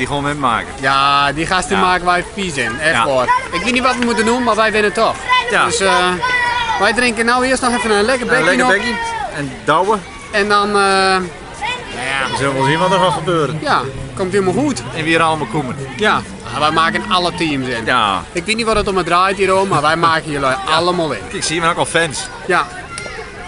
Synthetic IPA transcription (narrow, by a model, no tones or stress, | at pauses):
dixonɛma̰ːkəjadixastəmaːkənʋɛjfisɪnɛxʋɔrɪkʋɪtnitʋɔtʋəmutənunmarʋɛjʋɪnətɔxdøs | ʋɛjdrɪŋkənawɪəstnɔxɛfənaənlɛkərbɛənokɛndɔwə | ɛndɔnə | aʋəsøləmɔlˠzinʋɔtəfɔxəbøəɾjakomtjoməlˠhuətɛnʋiəɾalˠəmɔlˠkʰumənja | ʋɛjmaːkənalˠətiəmsɪnɪkʋɪtnitʋɔtətomədrajtjiəɾomːarʋɛjmaːkənjəlɔjalˠəmɔːlˠɪ̰nɪksiəmnɔkɔlˠfɛns | ja